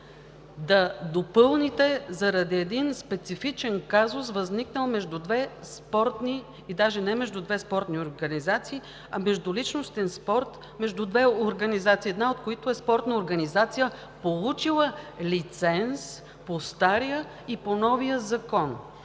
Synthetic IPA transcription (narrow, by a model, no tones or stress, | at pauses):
d̪ɐd̪opɤlˠnit̪ɛzɐɾɐd̪iɛd̪inspɛt̪sifit͡ʃɛnkazʊsvɐzniknəlˠmɛʒd̪ud̪vɛ | spɔɾt̪ni | id̪aʒɛnɛmɛʒd̪ud̪vɛspɔɾt̪nioɾɡɐnizat̪siː | ɐmɛʒd̪ʊlit͡ʃnost̪ɛnspɔɾt̪ | mɛʒd̪ud̪vɛoɾɡɐnizat̪siːɛd̪naot̪koit̪oɛspɔɾt̪nəoɾɡɐnizat̪sijə | polˠut͡ʃilˠəlit̪sɛns | post̪aɾijə | iponɔvijəzɐkɔn